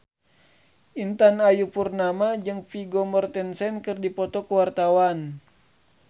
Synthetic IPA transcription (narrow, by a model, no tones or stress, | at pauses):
ʔint̪anajupurnamad͡ʒɨŋfiɡomɔrt̪ɛnsɛnkɨrdipɔt̪ɔkəwart̪awan